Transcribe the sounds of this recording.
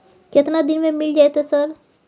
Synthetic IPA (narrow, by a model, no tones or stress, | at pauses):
ket̪nad̪ɪnmẽmɪld͡ʒaet̪ɛsəɾ